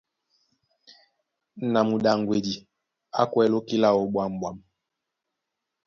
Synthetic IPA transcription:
na˨mu˨ɗa˨ŋɡwe˨di˨ | a̰˦kwɛ˦lo˦ki˦la˦ɔ˨ɓwa˨m˨bwa˨m

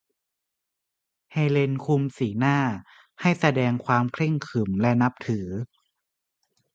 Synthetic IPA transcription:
heː˧le˧nkʰu˧msiː˩˦naː˥˩ | ha˥˩jsa˧dɛː˧ŋkʰwaː˧mkʰɾe˥˩ŋkʰɯ˨˩mlɛ˦˧˥na˦˥p̚t̪ʰɯː˩˦

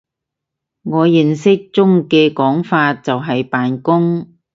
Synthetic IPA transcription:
ŋɔː˨˧ji˨ŋsɪ˥k̚t͡sʊ˥ŋkɛː˧kɔː˨˥ŋfaː˧t̚t͡sɐ˨wɦɐ˨jpaː˨nkʊ˥ŋ

